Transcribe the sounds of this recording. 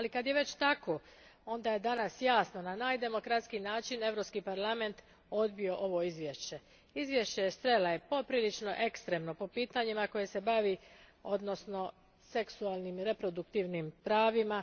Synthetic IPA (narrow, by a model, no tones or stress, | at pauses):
alikad̪je̞ʋe̞t͡ɕt̪ako̞ | o̞nd̪aje̞d̪anasjaːsno̞nanaːjd̪e̞mo̞kɾat̪skinaːt͡ʃine̞ʋɾo̞pskipaɾlˠame̞nt̪ | o̞d̪bio̞ʔo̞ʋo̞izʋjeʃt͡ɕe̞ | izʋje̞ʃt͡ɕe̞st̪ɾe̞laje̞po̞pɾilit͡ʃno̞ʔe̞kst̪ɾe̞ːmno̞po̞piːt̪aɲimako̞je̞se̞baʋio̞d̪no̞sno̞ | se̞ksualˠnimɾe̞pɾo̞d̪ukt̪iʋnimpɾaːʋima